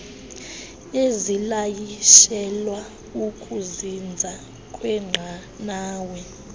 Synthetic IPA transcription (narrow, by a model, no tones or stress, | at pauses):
ezilajiʃɛlwa | ukʰʼuzind͡zʱa | kʼwɛŋ͡ǁʱa | naːwɛ